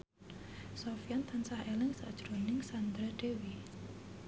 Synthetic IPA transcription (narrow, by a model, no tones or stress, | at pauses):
sofijant̪ansahelɪŋsa̰d̥ʒ̥ɾonɪŋsand̪ɾɛɖ̥ewi